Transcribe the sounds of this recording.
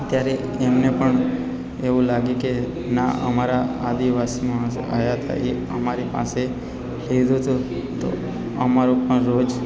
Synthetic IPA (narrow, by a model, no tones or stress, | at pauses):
ət̪jaɾe | emnepəɳ | eʋũlaɡeke | na̰ʔəmaɾaad̪iʋasimã | a̰jaɦt̪ʰa̰ʔe | əmaɾipa̰se | led̪ʱot̪u | t̪o̰ | əmaɾupəɳɾod͡ʒ